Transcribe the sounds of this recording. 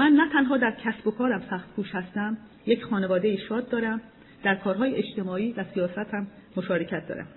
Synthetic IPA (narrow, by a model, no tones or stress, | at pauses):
mænːæt̪ʰænɦɒːd̪æɾcʰæsbo̞kʰɒːɾæmsæxt̪kʰuːʃhæst̪æm | jecxɒːne̞vɒːd̪e̞jiːʃɒːd̪̚ːɒːɾæm | d̪̥æɾkʰɒːɾɦɒːjeʔet͡ʃt̪e̞mɒːiːvæsijɒːsæt̪hæmː | o̞ʃɒːɾecʰæt̪̚d̪ɒ̰ːɾæ̰m